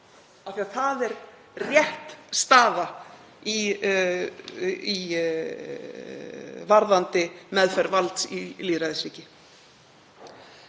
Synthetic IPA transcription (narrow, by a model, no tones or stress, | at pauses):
aθiaθaðɛɾ | rjɛht̪st̪aːða | i | i | vaɾðant̪ɪmɛðfɛɾvalt̪sḭliːðɾaðɪsiːcɪ